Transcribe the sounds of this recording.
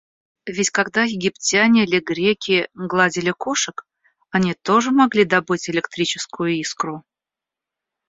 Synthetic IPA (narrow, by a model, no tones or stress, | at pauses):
vʲɪtʲkɐɡd̪ajɪɡʲɪpt͡sʲanʲɪlʲɪɡɾʲekʲɪɡlˠadʲɪlʲɪkoʂɨk | ɐnʲit̪o̞ʐɨmɐɡlʲid̪ɐbɨtʲɪlʲɪkt̪ɾʲit͡ɕɪskʊjʊiskɾʊ